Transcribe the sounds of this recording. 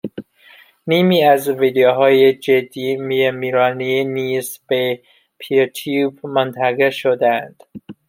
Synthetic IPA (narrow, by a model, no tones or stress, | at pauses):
niːmiːæzviːd̪ejoɦɒːjed͡ʒed̪ːiːmiemiːɾɒːniniːzb̥e | pʰit̪ʰuːbmont̪ʰæɣeʃod̪æænd̪̥